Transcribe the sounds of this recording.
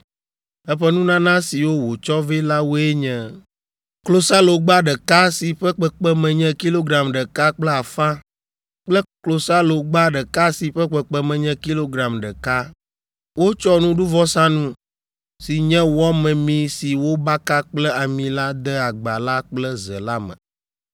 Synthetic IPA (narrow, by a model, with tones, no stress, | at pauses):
ɛ˦ɸɛ˦nũ˦nã˦nã˦si˨wo˦wo˨t͡ʃɔ˦ve˦la˦wo˦e˦ɲɛ̃˨ | klo˨sa˦lo˨ɡ͡ba˦ɖə˨ka˦si˨ɸɛ˦k͡pɛ˦k͡pɛ˦mɛ̃˨ɲɛ̃˦ki˦lo˦ɡɾa˨mɖə˨ka˦k͡plɛ˦a˨fã˦ | k͡plɛ˦klo˨sa˦lo˨ɡ͡ba˦ɖə˨ka˦si˨ɸɛ˦k͡pɛ˨k͡pɛ˦mɛ̃˨ɲɛ̃˦ki˦lo˦ɡɾa˨mɖə˨ka˦ | wo˦t͡ʃɔ˦nũ˦ɖu˦vɔ˦sã˦nũ˦ | si˨ɲɛ̃˦wɔ˦mɛ̃˨mĩ˨si˨wo˦ba˦ka˦k͡plɛ˦a˨mĩ˨la˦d̪ə˦a˨ɡ͡ba˨la˦k͡plɛ˦zə̰˨la˦mə̰̃˨